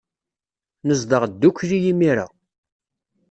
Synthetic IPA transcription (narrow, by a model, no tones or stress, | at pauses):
nəzd̪əʁd̪ːukːɾijimiɾa̰